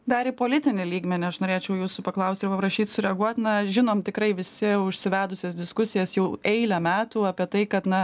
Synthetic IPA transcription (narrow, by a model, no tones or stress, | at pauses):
d̪ɐɾʲɪpoːlʲɪt̪ʲɪnʲɪlʲiːɡmʲɛnʲɪɐʃnoːɾʲeːt͡ʃʲɛʊjuːsʊpɐklˠɐʊst̪ʲɪɾpɐpɾɐʃʲiːt̪sʊɾʲɛɐɡuɔt̪ʲnɐʒʲɪnoːmt̪ʲɪkɾɐɪʋʲɪsʲɪʊʃʲsʲɪʋʲæːd̪ʊsʲɛsd̪ʲɪskʊsʲɪjɛsjɛʊɛɪlʲɛmʲæːt̪uːɑpʲiɛt̪ɐɪkɐt̪nɐ